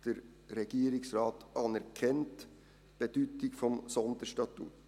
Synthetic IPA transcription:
t̪əɾ | ɾɛɡ̥iːəɾɪksɾɑːt̪ʔɑnæɾkʰɛnt̪ | b̥ɛt̪yt̪ɪɡ̥fɔmsɔnd̪əʂtɑt̪ṵ

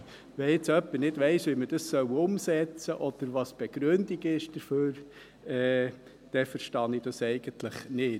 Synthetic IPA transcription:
ʋɛɪt͡sœpːənɪdʋɛɪsʋiməd̥ɑssœwʊmsɛt͡səʔɔd̪̥əɾʋɑsb̥eɡ̥ɾʉnd̪iɡɪʃd̥əɾføːɾ | ɛː | d̪̥ɛfəɾʃtɑnɪd̥ɑsɛɪɡ̥əntləχnɪːt

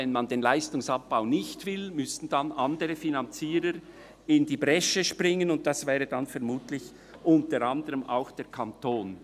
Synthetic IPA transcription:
ɛnmɑndenlaɪstʊŋsɑp̚b̥aʊnɪçtv̥ɪlmʏsn̩d̥anʔɑndəʁəfinɑnt͡siːɾəɾ | ɪndiːbʁɛʃəʃprɪŋənʊnt̚d̥ɑsvɛːʁədanfɛɐmuːtlɪç | ʔʊntəɾɑndəʁəma̰ʊxd̥eːɾkʰɑntʰoːn

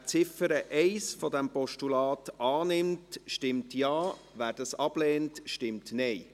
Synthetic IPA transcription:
t͡sɪfəɾəʔɛɪsfɔdɛmpɔʃtulɑːtʔɑːnɪmtʃtɪmtjɑː | ʋæːɾdɑsɑb̥leːntʃtɪmtnɛɪ

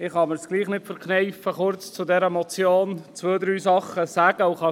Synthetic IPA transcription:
ɪχhɑmɪɾsɡ̥liːχnɪtfəɾknɛɪfəχʊrt͡st͡sʊdɛɾəmɔt͡sjoːnt͡sʋøːd̪ɾyːsɑχəsæːɡ̥əʊχɑ

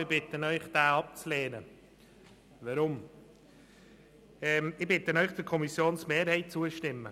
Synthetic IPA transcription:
ɪbɪt̪ənœʏχd̥æːɑp̚t͡sleːnə | ʋɑɾʊm | ɛːmɪbɪt̪ənœʏχd̥əɾkʰɔmisjoːnsmeːɾhɛɪt̚t͡suəʃtɪmːə

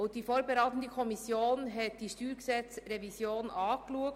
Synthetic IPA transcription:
ʊntd̥iːfoːɾbəɾaɪt̪n̩dəkʰɔmisjoːnɦɛt̚d̥iːʃtyːɾɡəsɛt͡sɾevisjoːnʔɑːkluək̚

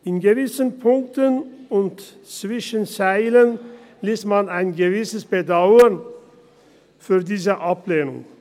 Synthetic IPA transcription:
ʔɪnɡəvɪsənpʰʊŋk̚tənʊnt | t͡sv̥ɪʃənt͡saɪlən | liːsmanaɪnɡəvɪsəsb̥ədaʊən | fyːɐdiːzəʔapleːnʊ̰ŋ

